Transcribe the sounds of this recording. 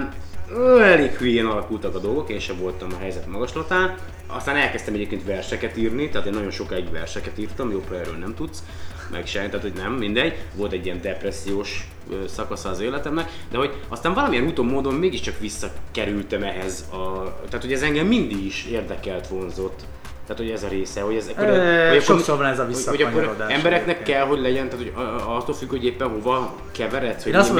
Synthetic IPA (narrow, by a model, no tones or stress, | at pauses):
nøɛleːkhyjiɛnɒlɒkult̪ɒkɒd̪o̞lɡo̞keːnʃɛvo̞lt̪ɒmɒɦɛjzɛt̪mɒɡɒʃlɒt̪aːn | ɒ̰st̪aːnɛlkɛst̪ɛmɛɟeːp̚keːnt̪ʋɛrʃɛkɛt̪iːrnit̪aːt̪eːnːɒɟo̞nʃo̞kaːiɟʋɛrʃɛkɛt̪iːrt̪ɒmjoːphɒɛːrɾø̰ːlnɛmt̪ut̪s | mʔɛ̰kʃɛmt̪aːt̪ho̞ɟnɛmːind̪ɛɟʋo̞lt̪ɛɟːiɛnd̪ɛprɛsːijoːʃ | øːsɒkɒsɒːzeːlɛt̪ɛmnɛkd̪ɛɦo̞ɟɒst̪aːɱvɒlɒmijɛnut̪oːmːoːd̪ommeːɡiʃt͡ʃɒkʋisːɒkɛɾylt̪ɛmɛɦɛzɒt̪aːt̪ho̞ɟɛzɛŋɡɛmːind̪iɡiʃeːrd̪ɛkɛlt̪ʋo̞nzo̞t̪ː | aːt̪hʰoɛzɒɾeːsɛho̞ɟɛzɛkoɾoʃovnɛzɒvioːoɟɒkːoɾd̪aɛmbɛɾɛknɛkːɛlɦo̞ɟlɛɟɛnt̪aːt̪ʰoɟɒt̪ːolfykho̞ɟeːpːɛnɦo̞vɒ | kɛvɛɾɛt̪sho